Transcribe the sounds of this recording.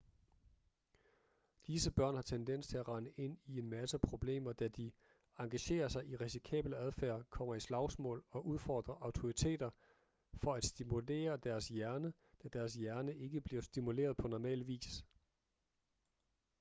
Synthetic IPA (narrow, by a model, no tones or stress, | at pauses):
d̥isəb̥ɶɐ̰nhɑ̈t͡sʰend̥en̰st͡sʰe̝æʁɑ̈nəʔe̝n̰ie̝nmæsəpʰʁo̝b̥le̝̰ːmɐd̥æd̥i | ɑ̈ŋɡ̥æɕe̝̰ːɐsɑ̈ɪʔiʁɛsikʰɛ̰ːb̥ləæð̞ˠfæɐkʰɒ̽m̰ɐislɑ̈ʊsmɔ̰̽ːlɒ̽ʔuðˠfɒ̰ːd̥ʁɐʔɑ̈ʊt͡sʰo̝ʁit͡sʰe̝̰ːd̥ɐ | fɒ̽æd̥sd̥imule̝̰ːɐd̥æɐsjæɐnə | d̥æd̥æɐs̬jæɐnəʔe̝ɡ̥əb̥liɐsd̥imule̝̰ːɐð̞̩ˠpʰɒ̽nɒmɛ̰ːlʋḭːs